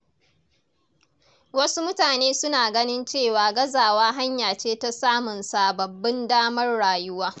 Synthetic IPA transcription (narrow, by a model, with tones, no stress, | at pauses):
wɐ˦su˦mʊ˦taː˨neː˦sʊ˦naː˨ɡɐ˦nɪ˦nt͡ʃeː˦˨waː˨ɡɐ˦zaː˨waː˦ɦa˦ɲjaː˨t͡ʃeː˦ta˦saː˦mʊ˨nsa˨bɐ˨bːɪ˦ndaː˦mɐ˦rɽaː˨jʊ˦waː˦